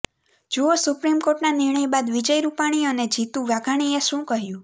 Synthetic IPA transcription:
d͡ʒuosupɾimkoʈnanɪɾɳəjbad̪ʋid͡ʒəjɾupaɽ̃ioned͡ʒit̪ũʋaɡaɽ̃ieʃũkəɦjũ

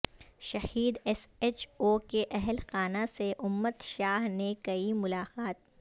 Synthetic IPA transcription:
ʃɐhiːd̪ɛset͡ʃoːkeʔɛɦlxaːnaseʔʊmːət̪ʃaːɦnekɐimʊlaːqaːt̪̚

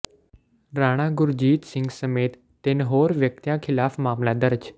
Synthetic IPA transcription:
ɾaːɽ̃ãːɡʊɾd͡ʑiːt̪sɪ̃ŋɡsɐmeːt̪ːenɦoːɾʋjək̚t̪jãkʰɪlaːfmaːmlad̪əɾd͡ʒ

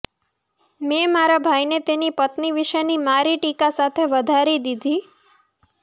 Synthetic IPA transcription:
memaɾabʱajnet̪enipət̪niʋiʃəjnimaɾiʈikasat̪ʰeʋəd̪ʱaɾid̪id̪ʱi

